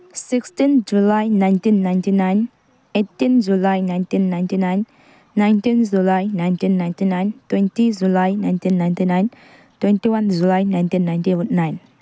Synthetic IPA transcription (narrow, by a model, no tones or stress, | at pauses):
sikstind͡ʒulajnajntinːajntinajn | etːind͡ʒulajnajntinːajntinajnː | ajntind͡ʒulajnajntinːajntinajntwentid͡ʒulajnajntinːajntinajn | twentiwand͡ʒulajnajntinːajntiut̚najn